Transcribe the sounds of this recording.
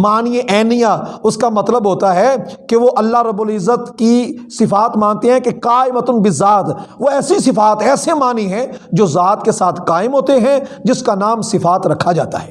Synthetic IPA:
maːniʔɛːnijaʊskamɐt̪ləbɦoːt̪aɦɛkeʋoʔɐlːaɦɾɐbːʊlɪzːət̪kisɪfaːt̪mãːnt̪eɦɛ̃keqaːɪmət̪ʊnbɪzaːt̪ʋoɛːsisɪfaːt̪ɛːsemaːniɦɛ̃d͡ʒoːzaːt̪kesaːt̪ʰkaːɪmɦoːt̪eɦɛ̃d͡ʒɪskanaːmsɪfaːt̪ɾɐkʰːad͡ʒa̰ːt̪a̰ɦɛː

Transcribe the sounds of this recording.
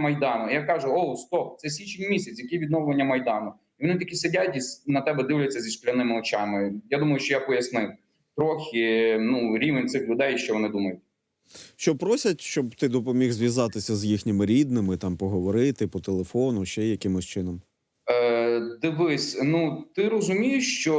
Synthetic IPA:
mɐjd̪ɑnʊijakɑʒʊɔwst̪ɔp̚t̪sɛs̬ʲʋʲit͡ʃenʲmʲisʲɐt͡s̪ʲjɐkijʋʲid̪nɔwlˠenʲːɐmɐjd̪ɑnʊ | iʋɔnɪt̪ɐkʲisɪdʲatʲisnɐt̪ɛbɛd̪ɪwlʲɐt͡sʲːɐzʲiʃklʲɐnɪmɪɔt͡ʃɑmɪjad̪umɐjʊʃt͡ʃɔjapɔjɐsnɪw | t̪ɾɔxʲɪnuɾʲiʋenʲt̪sɪxlʲʊd̪ɛjʃt͡ʃɔʋɔnɪd̪umɐjʊt̚ʲ | ʃt͡ʃɔpɾɔsʲɐtʲʃt͡ʃɔbt̪ɪd̪ɔpɔmʲiɣzʋʲjɐzɑt̪ɪsʲɐzjixnʲɪmɪɾʲid̪nɪmɪt̪ɑmpɔɦɔʋɔɾɪt̪ɪpɔt̪elˠefɔnʊʃt͡ʃɛjɐkɪmɔsʲt͡ʃɪnɔm | d̪ɪʋɪsʲnut̪ɪɾɔzʊmʲijʊʃt͡ʃɔ

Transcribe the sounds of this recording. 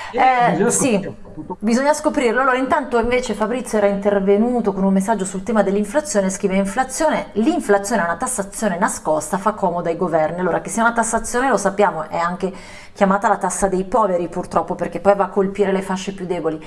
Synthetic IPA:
ɛsi | bizoɲːaskopɾiɾloalːoːɾaint̪ant̪oiɱveːt͡ʃefabɾit̪sːjoɛːɾaint̪ervenuːt̪okonunmesːad͡ʒːosult̪ɛːmad̪elːiɱflat̪sːjoːneskɾiːveiɱflat̪sːjoːneliɱflat̪sjoːneɛunat̪asːat̪sːjoːnenaskɔst̪afakʰːɔːmod̪oajɡovɛrnialːoːɾak̟esːeunat̪asːat̪sːjoːnelosapːjaːmoʔɛaŋk̟e | k̟jamaːt̪alat̪asːad̪ejpɔːveɾipurt̪ɾɔpːoperk̟epːɔjvaːkːolpiːɾelefaʃːepjud̪ːɛːboli

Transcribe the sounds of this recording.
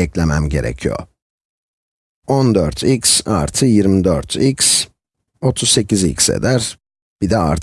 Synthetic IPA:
ɛclʲemæmɟe̞̰ɾɛ̰cʰijo̰ | ond̪øɾt̪ʰicsa̰ɾt̪ʰɯjiɾmid̪øɾt̪ʰics | o̞t̪ʰusse̞cizḭcsḛd̪æɾ | b̥id̪ɛa̰ɾt̪

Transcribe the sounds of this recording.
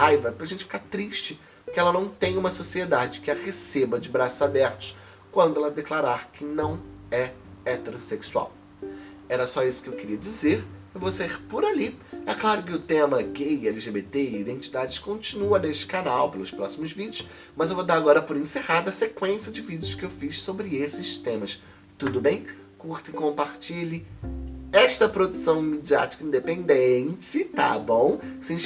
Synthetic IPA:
hajvɐpɾɐʒẽnt͡ʃɪfi̥kat̪ɾiʃt͡ʃɪ | kɪɛlɐnɐ̃w̃t̪ẽj̃ũmɐsosied̪ad͡ʒɪkɪɐhesebɐd͡ʒɪbɾasʊzabɛɾt̪ʊ̥s | kwɐ̃nd̪ʊɛlɐd̪eklaɾaɾkʰɪnɐ̃w̃ɛ | ɛt̪eɾoseksua̰w | ɛɾɐsɔisʊ̥kɪewkɪɾiɐd͡ʒizeɾewvowsaiɾpʊɾaliɛklaɾʊkɪʊt̪ẽmɐɡejɛliʒebet̪eɪid̪ẽnt͡ʃid̪ad͡ʒɪskõnt͡ʃinuɐneʃt͡ʃɪ̥kanawpelʊspɾɔsimʊzvid͡ʒjʊs | mɐzewvod̪aɾaɡɔɾɐpʊɾẽsehaɾd̪ʊɐsekwẽsiɐd͡ʒɪvid͡ʒɪʊskɪewfissobɾɪesɪst̪ẽmɐs | t̪ud̪ʊbẽj̃ | kuɾt̪ɪ̃kõmpaɾt͡ʃilɪ | ɛʃt̪ɐpɾod̪usɐ̃w̃med͡ʒia̰t͡ʃi̥kɐĩnd̪epẽnd̪ẽnt͡ʃɪt̪a̰bõw̃sẽ

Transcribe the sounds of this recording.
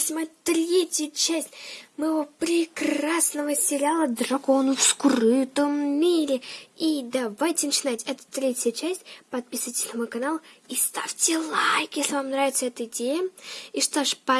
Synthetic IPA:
sʲlʲɪmɐjt̪ɾʲetʲjət͡ɕæsʲtʲmɨjɪvopɾʲɪkrasnəvəsʲɪlʲalˠəd̪rɐko̞nʊfskrɨt̪əmːʲiɾʲɪid̪avajtʲɪnət͡ɕɪnatʲɛt̪ə̥t̪ɾʲetʲɪjət͡ɕæsʲtʲpɐt̪̚pʲisɨvətʲɪ̥sʲnamojkɐnalˠist̪afʲtʲɪlˠajkjʲesʲlʲɪvamnɾavʲɪt̪səɛt̪əɪdʲejəiʂt̪oʂpɐ

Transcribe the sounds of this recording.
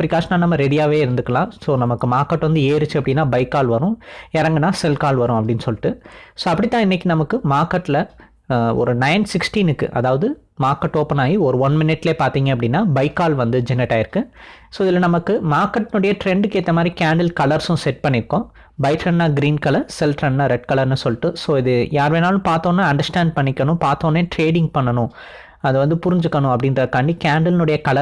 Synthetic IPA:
pɾɪkaːʂnaːnɐmːɐɾɛɽɪjaːʋeːɪɾɯnd̪ɯkːɐlãːsoːnɐmɐkːɯmaːɾkːɐʈːʋɐnd̪ɯeːɾɯt͡ʃːɯɐpːɐɽɪnːaːbɐɪkːaːlʋɐɾʊ̃ɛɾɐŋɡɐnãːsɛlkaːlʋɐɾʊ̃ɐpːɐɽɪnːɯsɔlːɪʈːɯsoːɐpːɐɽit̪ːãːɪnːɛk̬ʲːinɐmɐkːɯmaːɾkːɐʈːlɐ | ɔ̰ɾɯnɐɪnsɪksʈiːnɯkːɯ̰ʔɐ̰ðaːʋɐðɯ | maːɾkːɐʈːoːpɐnaːjiɔɾɯʋɐnmɪnɪʈːleːpaːɾt̪iːŋɡɐpːɐɽɪnːaːbɐɪkːaːlʋɐnd̪ɯd͡ʒɛnːɪʈːaːɪɾɯkːɯsoːɪðɪlːɐnɐmɐkːɯmaːɾkːɐʈːnʊɽɐjɐʈɾɛɳɖɯkeːt̪ːɐmaːd̪ɾikaːɳɖɐlkɐɭɐɾsʊ̃sɛʈ̚pɐɳːɪɾɯkːõː | bɐɪʈɾɐnːaːɡɪɾiːnkɐlɐɾsɛlʈɾɐnːaːɾɛʈ̚kɐlɐɾnːɯsɔlːʈːɯsoːɪðɯjaːɾʋeːnaːlʊ̃paːɾt̪õːnːaːɐɳɖɐɾsʈaːɳɖ̚pɐɳːɪkːɐnʊ̃paːɾt̪õːneːʈɾeːɽɪ̃ŋɡ̚pɐɳːɐnʊ̃ | ɐðɯʋɐnd̪ɯpʊɾɪɲd͡ʒɯkːɐɳʊ̃ɐpːɐɽɪnɾɐkːaːɳɖikaːɳɖɐlnɯɽɐjɐkɐlɐ

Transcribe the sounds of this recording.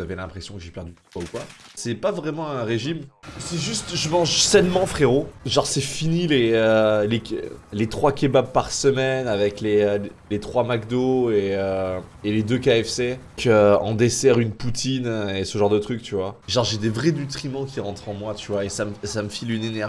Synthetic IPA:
avɛlɛ̃pχesjɔ̃kəʒepɛʁd̪ykwaukwa | sɛpavʁɛmɑ̃ɛ̃ʁeʒimsɛʒyst̪ʒəmɑ̃ʒsɛnmɑ̃fχeʁoʒɑ̃ʁsɛfinileølelet̪χwakʲebab̚pːaʁsəmɛnavɛkleøllet̪χwamakd̪oeøeled̪økaɛfse | køɑ̰̃d̪esɛʁynput̪ʰinesəʒɑ̃ʁd̪ət̪χyk̚t̪yvwaʒɑ̃ʁʒed̪evʁɛnyt̪χimɑ̃kʲiʁɑ̃t̪χɑ̃mwat̪yvwaesamsaməfilynenɛʁʒ

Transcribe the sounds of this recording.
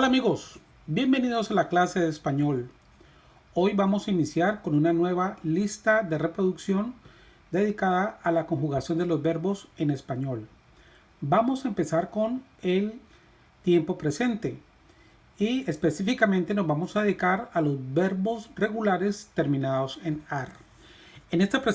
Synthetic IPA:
olamiɣo̞s | bje̞mbe̞nið̞osalaklase̞ðespaɲo̞l | o̞jbamo̞sainisjaɾko̞nunanwe̞βalist̪aðe̞re̞pɾo̞ðuksjo̞n | d̪e̞ðikaðaːlako̞ŋxuɣasjo̞nd̪e̞lo̞zbe̞ɾbo̞se̞ne̞spaɲo̞l | bamo̞saempe̞saɾko̞ne̞l | t̪je̞mpo̞pɾe̞se̞nt̪e̞ | ie̞spe̞sifikamẽnt̪eno̞zbamo̞saðe̞ðikaɾalo̞zbe̞ɾβo̞sre̞ɣulaɾe̞st̪e̞ɾmĩnaðo̞se̞naɾ | enest̪apɾe

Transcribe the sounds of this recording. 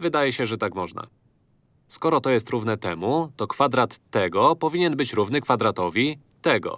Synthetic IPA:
vɘd̪ajɛɕɛʐɛt̪akmɔʐna̰ | skɔɾɔt̪ɔjɛst̪ɾuvnɛt̪ɛmut̪ɔkfad̪ɾat̪ːɛɡɔpɔvʲiɲɛnbɘt͡ɕɾuvnɘkfad̪ɾat̪ɔvʲi | t̪ɛɡɔ̰

